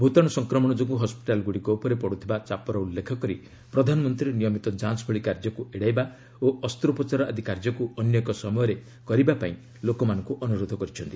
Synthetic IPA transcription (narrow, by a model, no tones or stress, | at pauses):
bʱut̪ɔɽ̃ɔsɔŋkɾɔmɔɽ̃ɔd͡ʒoɡuɦɔspi̥ʈalɡuɽiɡopɔɾepɔɽut̪ʰibat͡ʃapɔɾɔulːekʰɔkɔɾi | pɾɔd̪ʱanɔmɔnt̪ɾiɾnijɔmit̪ɔd͡ʒansbʰʱɔɭikaɾd͡ʒɔkuʔeɽajba | oɔst̪ɾupɔt͡ʃaɾɔad̪ʱikaɾd͡ʒɔkuɔnjɔkɔsɔmɔjɔɾe | kɔɾibapaĩ | lokɔmanɔ̃ŋkuʔɔnuɾod̪ʱɔkɔɾit͡ʃʰɔnt̪i